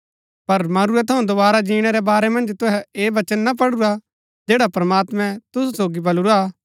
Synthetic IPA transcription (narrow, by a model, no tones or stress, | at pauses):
pɐɾmɐɾuɛt̪ʰɐũd̪ʊbaːɾad͡ʒiːɽ̃ɛɾɛbaːɾɛmɐ̃nd͡ʒt̪ʊɦɛeːʋɐt͡ʃənːap̬ɐɽʊɾa | d͡ʒeːɽapɾɐmaːt̪mɛ̃t̪ʊsusoːɡibɐlʊɾa